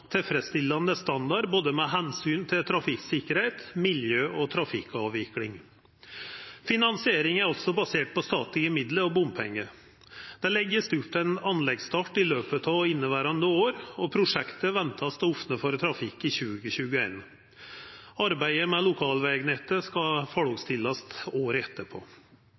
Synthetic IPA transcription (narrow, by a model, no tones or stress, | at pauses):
t̪ʰɪlfɾɛst̪ɪlːɑnəst̪ɑnd̪ɑɾboːd̪əmɛɦɛnsyːnt̪ʰɪlt̪ʰɾɑfɪksɪkəɾhɛɪt̪mɪljøːʔɔt̪ʰɾɑfɪkːɑːʋʋɪklɪŋ | fɪnɑnsɪeːɾɪŋæɾɔlt̪sɔbɑseːʈ̚pʰɔst̪ɑːt̪lɪəmɪd̪ləɾɔbʊmpʰɛŋːə | d̪̥ɛlɛɡːəst̪ʉp̪ːæɪnɑnlɛɡst̪ɑːʈɪløːpət̪ʰɑʋɪnːəʋæːɾɑnd̪əoːɾɔpʰɾʊʂɛkt̪əʋɛnt̪ʰɑst̪əɔfnəfɔɾt̪ʰɾɑfɪkːɪçʉːɡəɕʉːɡəeːn | ɑɾbæɪəmɛlʊkʰɑːlʋɛːɡnɛt̪ːəskɑfɔɽɔːɡst̪ʰɪlːɑst̪oːɾɛt̪ːəpʰo̰ː